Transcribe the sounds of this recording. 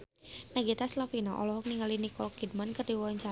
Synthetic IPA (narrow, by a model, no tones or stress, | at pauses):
naɡit̪aslafinɔʔɔ̰lɔɦɔk̚niŋalinikɔlkid̚mankərdiwɔaɲt͡ʃa